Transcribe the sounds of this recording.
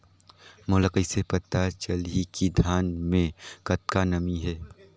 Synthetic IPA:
mʊləkəɪsepɐt̪at͡ʃəlikid̪ʱjaːnmẽkɐt̪̚kanɐmiɦɛː

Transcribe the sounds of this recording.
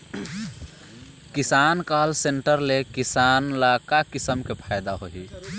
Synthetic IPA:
kisankalseɳʈəɾlekisanlakakisəmkepʰajd̪aɦoɦi

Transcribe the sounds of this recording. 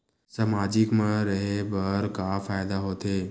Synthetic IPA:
sɐmaːd͡ʑɪkmãɾɐɦebɐɾkafaːɪd̪aɦoːt̪ʰeː

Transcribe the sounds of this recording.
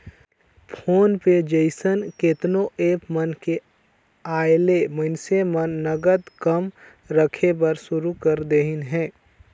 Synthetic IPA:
pʰoːnped͡ʒəɪsənket̪noʔeːpmənke | aːelemənsemənːəɡəd̪kəm | ɾəkʰebəɾsʊɾukəɾd̪eɦɪnɦɛ̃ː

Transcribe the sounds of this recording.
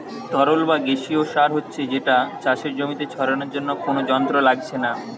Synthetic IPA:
t̪ɔɾolbaɡeʃioʃaɾɦotːɕʰed͡ʑeʈat͡ɕaʃeɾd͡ʑomit̪et͡ɕʰɔɾoneɾd͡ʑonːokonod͡ʑɔnt̪ɾolaɡt͡ɕʰena

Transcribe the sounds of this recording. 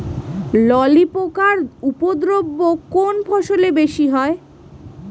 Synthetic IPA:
lɔlipokaɾupod̪ɾobːokonpʰɔʃolebeʃiɦɔe

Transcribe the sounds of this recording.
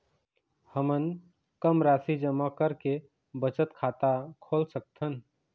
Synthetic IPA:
həmən | kəmɾasid͡ʒəmakəɾke | bət͡ʃət̪kʰat̪akʰoːlsək̚t̪ʰən

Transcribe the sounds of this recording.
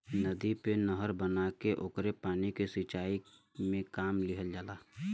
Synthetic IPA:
nəd̪ipenəɦəɾbənakeʔoːkɾepaːnikesɪt͡ʃaːi | mẽkaːmlɪɦəld͡ʒaːlaː

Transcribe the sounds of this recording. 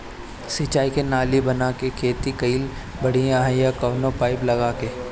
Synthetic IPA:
sɪt͡ʃaːikenaːlibɐnaːkekʰeːt̪ikɐiːl | bɐɽ̤iãɦẽjãkɐʋnõpaːɪplɐɡaːkeː

